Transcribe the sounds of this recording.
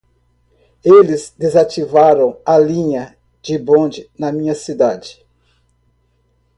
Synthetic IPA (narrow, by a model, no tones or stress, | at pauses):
elɪzd̪ezat͡ʃivaɾɐ̃w̃ɐlĩɲɐ | d͡ʒɪbõd͡ʒɪnɐmĩɲɐsid̪ad͡ʒɪ̥